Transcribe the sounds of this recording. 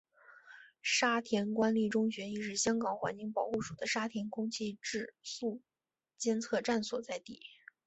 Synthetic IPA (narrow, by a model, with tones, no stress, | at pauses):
ʂa˥t̪ʰjɛ˧˥nkwa˥nli˥˩ʈ͡ʂʊ˥ŋɕɥɛ˧˥ni˥˧ʂ̬ɻ̩˥˩ɕjɑ˥ŋkɑ˨˩ŋxwa̰˧˥nt͡ɕi˥˩ŋpɑ˨˩ʊxu˥˩ʂu˨˩d̪ə˦ʂa˥t̪ʰjɛ˧˥nkʰʊ˥ŋt͡ɕʰi˥˧ʈ͡ʂɻ̩˥˧su˥˩ | t͡ɕjɛ˥nt͡sʰɤ˥˧ʈ͡ʂa˥˩nswɔ̰˨˩t͡sa˥˧ɪt̪i˥˩